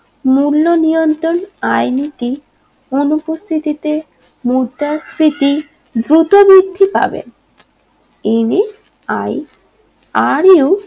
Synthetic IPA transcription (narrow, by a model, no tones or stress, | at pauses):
mulːonijont̪ɾonajnit̪i | onupost̪ʰit̪it̪e | mud̪ːasɾit̪i | d̪ɾut̪obid̪ʱːipa̰bḛn | ini | aj | aɾio